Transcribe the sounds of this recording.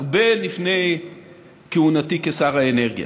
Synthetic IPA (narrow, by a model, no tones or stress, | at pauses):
aʁbe̞lifne̞j | keunatikesaʁaene̞ʁɡja̰